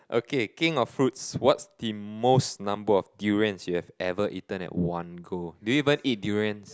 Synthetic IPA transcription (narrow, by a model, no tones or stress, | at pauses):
ʔokekɪ̃ŋɔffɹut̚swɔtsd̥imosnãmbəɔfdjuɹiə̃nsjuhɛvɛvəʔitə̃nɛ̰t̚wãnɡoduuivə̃nit̚djuɹiə̃ns